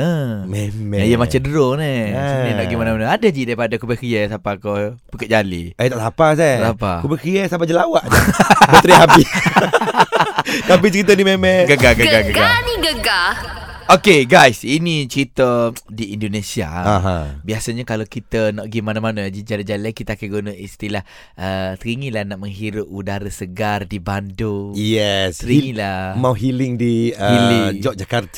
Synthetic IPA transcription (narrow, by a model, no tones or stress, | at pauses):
əmemijəmat͡ʃadəɾonisninɔʔɡimanamanaadəd͡ʒidaɾipadakubəkiəsapakobəkəʔd͡ʒalḭait̪aʔlapas̬alapa̰kubəkɾiəsapad͡ʒəlawaʔət̪ɾiɦabis | t̪ap̬it͡ʃəɾit̪ədimemɛɡəɡaɡəɡaɡəɡɡaniɡəɡa | okeɡajsinĩt͡ʃəɾit̪ədiindonesia̰aɦãbiasaɲakalakit̪ənaʔɡimanamanad͡ʒid͡ʒalad͡ʒalajkit̪aːkaɡunəʔist̪ilah | ʔət̪əɾiŋĩlahnaʔməŋɦiɾʊp̚udaɾəsəɡardibandojɛst̪əɾiŋilamãwɦilɪŋdiəilid͡ʒɔʔ̚d͡ʒakart̪ə